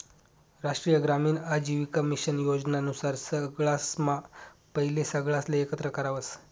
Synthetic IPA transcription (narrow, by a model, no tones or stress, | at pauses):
ɾaʂʈɾijəɡɾamiːnad͡ʑiʋikəmiɕənjod͡znaənusaɾsəɡɭasmapəɦilesəɡɭasleːkət̪ɾəkəɾaʋəs